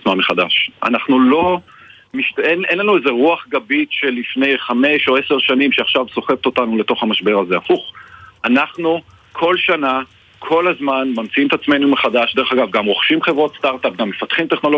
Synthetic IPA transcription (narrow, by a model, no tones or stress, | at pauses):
t͡smanmeχad̪aʃʔa̰naχnulo̞ | miʃtenenlanueze̞ʁuaχɡabitʃe̞lifne̞jχame̞ʃo̞e̞se̞ʁʃanimʃeaχʃavso̞χevt̪o̞t̪anule̞t̪o̞χamaʃbe̞ʁaze̞afuχanaχnu | kʰo̞lʃana | kʰo̞lazmanmamt͡siimt̪at͡sme̞numeχadaʃde̞ʁeχaɡavɡamʁo̞χʃimχe̞vʁot̪st̪aʁt̪ap̚ɡamːe̞fat̪χimt̪eχno̞lo